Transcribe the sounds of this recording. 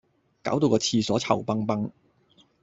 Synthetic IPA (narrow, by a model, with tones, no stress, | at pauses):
ka̰ː˨˥wt̪o˧wkɔː˧t͡sʰiː˧sɔː˨˥t͡sʰɐ˨˩wpɐ˥ŋpɐ˥ŋ